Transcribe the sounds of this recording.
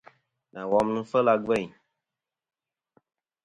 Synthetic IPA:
nã˨wɔ˦mnũ˦fə˦la˧ɡ͡bɛ˦˨ɲ

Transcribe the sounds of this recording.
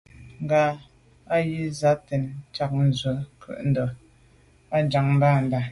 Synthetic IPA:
ŋ̩˨ɡa˨˦ | a˦ji˦za˦te˨nt͡ʃa˨k̚n̩˨zwə˨kʰʉ̰˦˨ʔn̩˦dɔ˨ | a˦d͡ʒa˨ŋm˦ba˦˨n̩˨da˨

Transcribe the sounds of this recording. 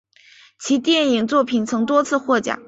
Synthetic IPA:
t͡ɕʰi˧˥t̪jɛ˥˩ni˨˩ŋt͡swɔ˥˩pʰi˨˩nt͡sʰɤ˧˥ŋt̪wɔ˥t͡sʰɹ̩˥˧xwɔ˥˩t͡ɕja̰˨˩˦

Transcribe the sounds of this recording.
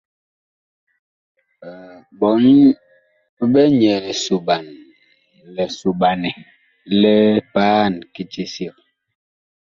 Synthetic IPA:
bɔ˨˦n˦ | bɛ˦ɲɛ˨lɛ˨su˨ba˨n | lɛ˨su˨ɓa˨nɛ˨ | lɛ˦paː˦˨nki˦ti˦si˦˨k̚

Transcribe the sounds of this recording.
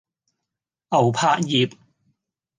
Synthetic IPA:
ʔɐ˨˩wpʰaː˧˥k̚jiː˨˩p̚

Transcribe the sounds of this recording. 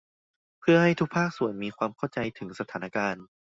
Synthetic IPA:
pʰɯ˥˩ɐha˥˩jt̪ʰu˦˥k̚pʰaː˥˩k̚su˨˩ənmiː˧kʰwaː˧mkʰa˥˩wt͡ɕa˧jt̪ʰɯ˩˦ŋsa˧t̪ʰaː˩˦na˧kaː˧n

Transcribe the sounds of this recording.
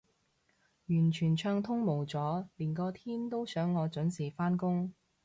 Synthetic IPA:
jyː˨˩nt͡ʃʰyː˨˩nt͡ʃʰœː˧ŋt̪ʰʊ˥ŋmo˨˩wt͡sɔː˨˥liː˨˩nkɔː˧t̪ʰiː˥nt̪o˥wsœː˨˥ŋːɔː˨˧t͡ʃɵ˨˥nsiː˨˩faː˥nkʊ˥ŋ

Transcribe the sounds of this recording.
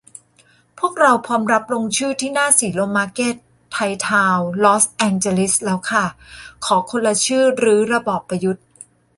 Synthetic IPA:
pʰu˥˩ək̚ɾa˧wpʰɔː˧mɾa˦˥p̚ɾo˧ŋt͡ɕʰɯː˥˩t̪ʰiː˥˩naː˥˩siː˩˦loː˧maː˦˥keː˥˩t̪ʰːa˧jt̪ʰaː˧wlɔː˦˥sʔɛː˧nt͡ɕe˧li˦˥slɛː˦˥wkʰa˥˩kʰɔː˩˦kʰo˧nla˧t͡ɕʰɯː˥˩ɾɯː˦˥ɾa˧bɔː˨˩pːa˧ju˦˥t̪̚

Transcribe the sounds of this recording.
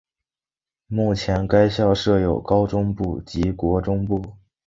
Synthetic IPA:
mu˥˩t͡ɕʰjɛ˧˥nka˥ɪɕjɑ˥˧ʊʂɤ˥˩jo˨˩ʊkɑ˥ʊʈ͡ʂʊ˥ŋpu˥˩t͡ɕi˧˥kwɔ˧˥ʈ͡ʂʊ˥ŋpu˥˩

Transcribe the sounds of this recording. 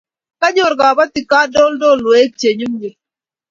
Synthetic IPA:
ka˦ɲo˨ɾɡa˨ba˦t̪i˨ka˦do˦ldo˦˨lo˨e˦k̚t͡ʃe˨ɲu˦mɡe˨

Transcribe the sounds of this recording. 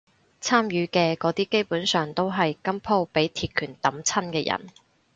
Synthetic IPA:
t͡sʰaː˥mjyː˨˥kɛː˧kɔː˨˥t̪iː˥ke˥jpuː˨˥nsœː˨ŋt̪o˥wɦɐ˨jkɐ˥mpʰo˥wpe˨˥jt̪ʰiː˧t̚kʰyː˨˩nt̪ɐ˨˥mt͡sʰɐ˥nkɛː˧jɐ̰˨˩n

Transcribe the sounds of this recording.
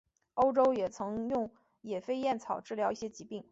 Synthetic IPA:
o˥ʊʈ͡ʂo˥ʊjɛ˨˩t͡sʰɤ˧˥ŋjʊ˥˩ŋ | jɛ˨˩fe˥ɪjɛ˥˩nt͡sʰɑ˨˩ʊʈ͡ʂɻ̩˥˩ljɑ˧˥ʊi˥˩ɕjɛ˥t͡ɕi˧˥pi˥˩ŋ

